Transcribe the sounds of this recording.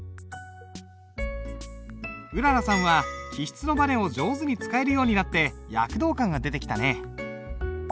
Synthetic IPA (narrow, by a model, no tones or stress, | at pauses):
ɯ̟ɾaɾasãɰ̃βakʲiɕi̥t͡sɨno̞banẽ̞o̞d͡ʑo̞ːzɨɲ̟it͡sɨ̥kae̞ɾɯ̟jo̞ːɲ̟inat̪ːe̞ja̰kɯ̟d̪o̞ːkãŋɡad̪e̞t̪e̞kʲi̥t̪ane